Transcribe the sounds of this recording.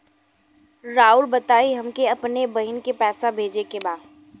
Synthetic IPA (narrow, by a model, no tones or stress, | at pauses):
ɾaːʊlbɐt̪aːiɦɐmkeɐpnebɐɦɪnkepɛːsabʱeːd͡ʒekebaːd̪